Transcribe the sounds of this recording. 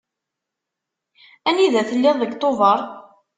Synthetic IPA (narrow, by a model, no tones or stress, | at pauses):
æniðæθəlːɪðˤðːəɡt̪ˤovəɾˤ